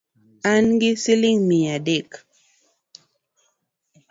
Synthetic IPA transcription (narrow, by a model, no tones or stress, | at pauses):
anɡisiliŋmijadek